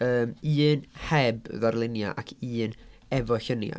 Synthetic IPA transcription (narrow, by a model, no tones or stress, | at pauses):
əːmɨːnhɛbðarlˠɪnja̰ʔa̰kʰiːnɛvɔɬənja̰